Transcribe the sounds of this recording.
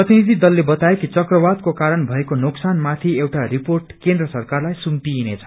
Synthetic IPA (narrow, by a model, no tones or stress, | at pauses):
prʌt̪inid̪ʱid̪ʌlːebʌt̪aekit͡sʌkrʌbad̪kokaɾʌnbʱʌekonoksanmat̪ʰiewʈariporʈkend̪rʌsʌrkarlajsumt̪inet͡sʰʌ̥